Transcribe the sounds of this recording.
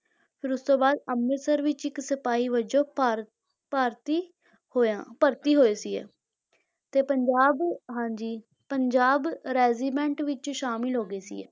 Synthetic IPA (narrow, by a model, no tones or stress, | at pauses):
pʰɪɾʊst̪õːbaːd̪əmːɪsəɾʋɪt͡ʃɪksəpaːiːʋəd͡ʒõːɾ | paːɾt̪iː | hoːãːpəɾt̪iːɦoːeːsiːɛ̰ː | t̪eːpəɲd͡ʒaːbɦãːɲd͡ʒiː | pəɲd͡ʒaːbɾɛːziːbɛ̃ːɳʈʋɪt͡ʃːʃaːmɪlɦoːɡeːsḭːɛ̰ː